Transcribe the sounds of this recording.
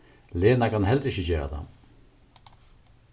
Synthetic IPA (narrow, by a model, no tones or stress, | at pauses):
leːnakʰanɦɛlt̪ɾɪɕçəd͡ʑɛːɾa̰d̪a̰m